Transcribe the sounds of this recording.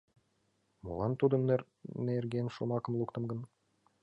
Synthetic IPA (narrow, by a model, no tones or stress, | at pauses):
mo̰lˠɑnt̪ud̪ɤ̆nːɾ | nerɡʲenʃomɑkɤ̆mlˠukt̪ɤ̆mɡɤ̆n